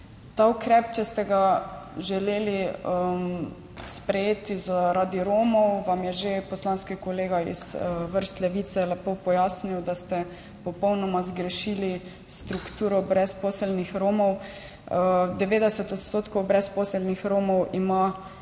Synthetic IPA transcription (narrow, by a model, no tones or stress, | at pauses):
t̪aukɾɛpt͡ʃɛst̪ɛɡa | ʒɛleːliəm | spɾɛjeːt̪izaɾad̪iɾoːmɔwʋamjɛʒepɔslanskikɔleːɡaḭzʋəɾst̪lɛʋiːt̪sɛlɛpopɔjaːsniwd̪ast̪ɛ | pɔpɔwnɔmazɡɾɛʃili | st̪ɾukt̪uːɾɔbɾɛsposɛlnixɾoːmɔw | d̪ɛʋeːd̪ɛsɛt̪ɔt̪st̪oːt̪kɔwbɾɛspɔːsɛlnixɾoːmɔwima